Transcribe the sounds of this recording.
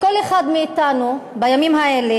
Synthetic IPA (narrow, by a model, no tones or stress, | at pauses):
ko̞leχad̪miːt̪anubajamimhaele